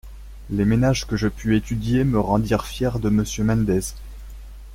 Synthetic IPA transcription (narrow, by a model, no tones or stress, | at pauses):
lemenaʒkəʒəpʰyet̪ʰyd̪jeməʁɑ̃d̪iʁfjɛʁd̪əməsjømand̪ɛz